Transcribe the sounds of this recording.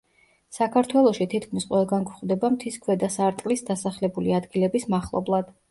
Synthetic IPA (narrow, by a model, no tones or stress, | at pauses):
sakʰaɾt̪ʰwɛlˠɔʃit̪ʰit̪ʰkʰmisqʼwɛlˠɡanɡuχd̪ɛbamt̪ʰiskʰwɛd̪asaɾt̪ʼlisd̪asaχlɛbuliad̪ɡilɛbismaχlˠɔ̰blˠad̪̥